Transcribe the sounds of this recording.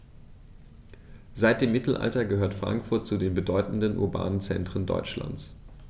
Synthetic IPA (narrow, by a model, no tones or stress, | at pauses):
z̥aɪt̚d̥eːmːɪtʰl̩ʔa̰ltɐɡəhøːɐtfʁ̥a̰ŋkfʊɐt̚t͡sudeːnbədɔʏtn̩dənʔʊ̰ɐba̰ːnənt͡sɛntʁ̥əndɔ̰ʏt͡ʃla̰nt͡s